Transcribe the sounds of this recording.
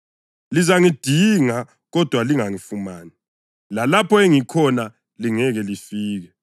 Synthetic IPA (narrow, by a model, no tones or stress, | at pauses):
lizaŋid̥ʱiŋa | ɣɔd̥ʱwaliŋaŋifumaːni | lalapʰɔeŋikʰɔna | liŋɛɣɛlifiːɣɛ